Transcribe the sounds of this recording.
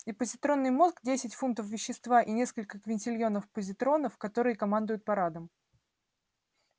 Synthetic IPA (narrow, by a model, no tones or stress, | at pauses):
ɪpəzʲɪt̪ɾo̞nːɨjmo̞sɡdʲesʲɪtʲfunt̪əfvʲɪɕːɪst̪vaʔinʲe̞skəlʲkəkvʲɪnʲtʲɪlʲjo̞nəfpəzʲɪt̪ɾo̞nəfkɐt̪o̞ɾɨjəkɐmand̪ʊjʊt̪̚pɐɾad̪əm